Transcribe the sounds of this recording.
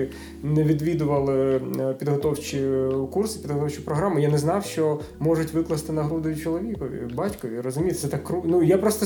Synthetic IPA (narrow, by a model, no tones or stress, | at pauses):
ɪ | nɛʋʲid̪ʋʲid̪ʊʋɐlˠɪpʲid̪ɦɔt̪ɔwt͡ʃʲikursɪ̥pʲid̪ɦɔt̪ɔwt͡ʃɪpɾɔɦɾamʊjanɛznɑwʃt͡ʃɔmɔʐʊtʲʋɪklˠɐst̪ɪnɐɦɾud̪ɔjʊt͡ʃɔlˠɔʋʲikɔʋʲḭbɑtʲkɔʋʲirɔzʊmʲijt̪sɛt̪ɑkːrunujapɾɔst̪ɔ